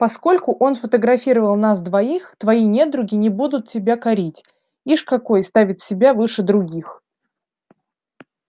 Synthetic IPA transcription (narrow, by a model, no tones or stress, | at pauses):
pɐsko̞lʲkʊʔo̞nfət̪əɡɾɐfʲiɾəvəlˠnas̬d̪vɐixt̪vɐinʲe̞d̪ɾʊɡʲɪnʲɪbud̪ʊt̪̚tʲːɪbʲakɐɾʲitʲ | iʂkɐko̞jst̪avʲɪt̪sʲɪbʲavɨʂɨd̪ɾʊɡʲix